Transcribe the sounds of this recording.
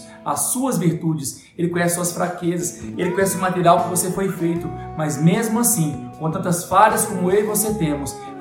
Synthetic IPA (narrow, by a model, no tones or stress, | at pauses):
ɐ̰suɐzviɾt̪ud͡ʒɪs | elɪkõɲɛsɪsuɐsfɾakezɐselɪkõɲɛsɪʊmat̪eɾiawkɪvosefojfejt̪ʊmɐzmezmʊasĩkõt̪ɐ̃t̪ɐsfaʎɐskõmʊelɪvoset̪ẽmʊs